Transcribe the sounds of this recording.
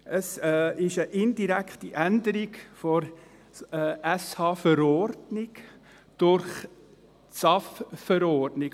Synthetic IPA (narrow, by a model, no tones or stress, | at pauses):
ʔəsɪʃəʔɪndiɾɛkχtiʔændəɾiɡfɔɾː | ɛshɑːfəɾɔɾdnɪɡ | d̥ʊɾχ | t͡sɑffəɾɔɾdnɪɡ